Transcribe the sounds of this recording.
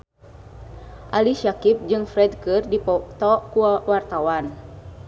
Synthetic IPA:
ʔaliʃakip̚d͡ʒɨŋfɾɛdkɨrdipɔt̪ɔkuawart̪awan

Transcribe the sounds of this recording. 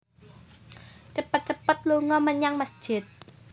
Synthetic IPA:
t͡ʃəpət̪̚t͡ʃəpət̪̚luŋɔmənɲaŋmasd̥ʒ̥ɪ̤t̪̚

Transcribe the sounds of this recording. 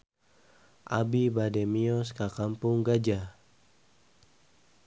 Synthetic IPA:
ʔa̰bibadɛmiɔskakampʊŋɡad͡ʒa

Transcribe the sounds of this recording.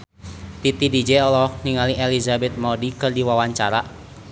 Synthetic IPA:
t̪it̪idid͡ʒɛɔlɔhniŋaliʔelizabɛt̪̚mɔdikɨrdiwawaɲt͡ʃaɾa

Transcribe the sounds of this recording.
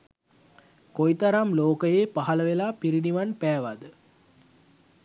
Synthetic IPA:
kojt̪ɐɾamloːkəjeːpaɦɐləʋelaːpiɾiniʋanpæːʋad̪ə

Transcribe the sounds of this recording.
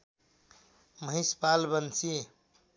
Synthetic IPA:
məɦispalbənsie

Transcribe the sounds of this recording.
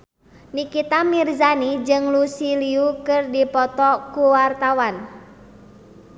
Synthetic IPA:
nikit̪amirzanid͡ʒɨŋlusiliukɨrdipɔt̪ɔkuwart̪awan

